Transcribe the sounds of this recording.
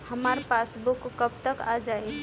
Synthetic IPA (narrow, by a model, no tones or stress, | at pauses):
həmaɾpasbukːəb̚t̪əkad͡ʒae